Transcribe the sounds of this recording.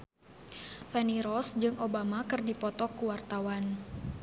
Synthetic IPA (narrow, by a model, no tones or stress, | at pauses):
fɛniɾɔsd͡ʒɨŋʔobamakɨrdipɔt̪ɔkuwart̪awan